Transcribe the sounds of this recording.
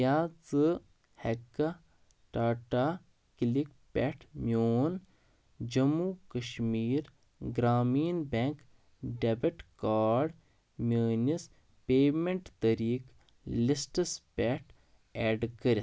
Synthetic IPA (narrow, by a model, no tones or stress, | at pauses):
aːt͡sɨ | hɛkːa | ʈaːʈaː | kilik | pʲɛʈʰmjoːn | d͡ʒɐmukɐʃmiːɾ | ɡɾaːmiːnbʲɛŋk | ɖɛbɐʈkaːɾɖ | mʲjəːnis | peːmeɳʈt̪ɐɾiːk | lisʈɐspʲɛʈ | ɛːɖkəɾi